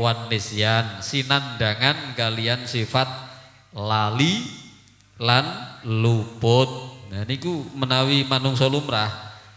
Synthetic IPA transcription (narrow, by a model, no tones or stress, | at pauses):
wanːesiansinandaŋankaliansifat̪̚ | lali | lanlupʊt̪̚nanikumənawimanʊŋsolumɾah